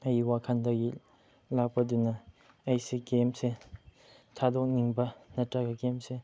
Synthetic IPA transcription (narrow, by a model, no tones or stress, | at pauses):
ajiwakʰand̪aʔji | laʔpad̪ynːa | ajsiɡemse | t̪ʰad̪ɔʔniŋpanaʈ͡ʂakiɡemse